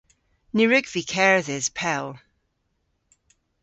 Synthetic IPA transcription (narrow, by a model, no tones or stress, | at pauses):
niɹɪɡv̥ikʰɛɹðɪz̥pʰɛlˠ